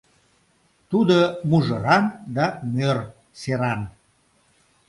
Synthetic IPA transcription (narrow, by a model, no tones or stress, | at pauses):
t̪ud̪əmuʒəɾɑnd̪ɑmør | seɾɑn